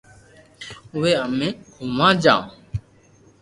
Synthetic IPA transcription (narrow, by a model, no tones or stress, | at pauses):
ʊʋeːəmẽːʊmãːd͡ʒã̰ː